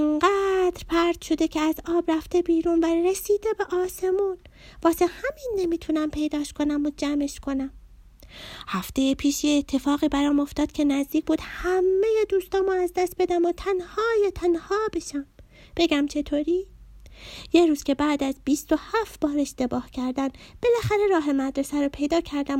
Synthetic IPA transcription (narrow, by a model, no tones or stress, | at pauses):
eŋɢæːd̪ɾpʰæɾd̪̥ʃo̞d̪e̞cʰeæzɒːbɾæft̪e̞biːɾuːnvæɾesiːd̪ebeʔɒːse̞muːn | vɒːsehæminːe̞miːt̪ʰunæmpʰe̞jd̪ɒːʃkʰo̞næmod͡ʒæme̞ʃkʰo̞næm | hæft̪e̞jepʰiːʃjeːt̪ʰːe̞fɒːɣiːbæɾɒːmo̞ft̪ɒːd̪̥kcʰe̞næzd̪iːc̚b̥uːd̪hæmːejed̪uːst̪ɒːmoæzd̪æst̪̚be̞d̪æmot̪ʰænhɒːjet̪ʰænhɒːbe̞ʃæm | b̥e̞ɟæmt͡ʃʰe̞t̪ʰoːɾiː | jeɾuːz̥cʰʲe̞bæːd̪æzbiːst̪o̞hæft̪b̥ɒːɾe̞ʃt̪e̞bɒːhcʰæɾd̪ænb̥e̞læxæɾe̞ɾɒːɦe̞mæd̪ɾesæɾopʰe̞jd̪ɒːcʰæɾd̪æm